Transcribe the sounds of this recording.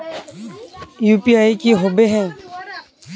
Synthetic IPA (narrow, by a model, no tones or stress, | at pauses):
juːpiaːikiɦoːbeɦɛ̃ː